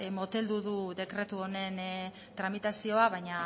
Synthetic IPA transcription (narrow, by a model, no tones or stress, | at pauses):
mo̞t̪e̞ld̪uðuðe̞kɾe̞t̪uo̞ne̞n | t̪ɾamit̪asio̞aβ̞ajɲa